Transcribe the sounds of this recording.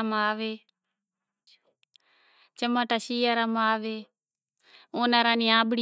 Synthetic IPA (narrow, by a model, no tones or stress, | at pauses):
maːʋeː | t͡ʃəmaːʈaʃiːaːɾamaːʋeː | oːnaːɾãːniːãːbɽi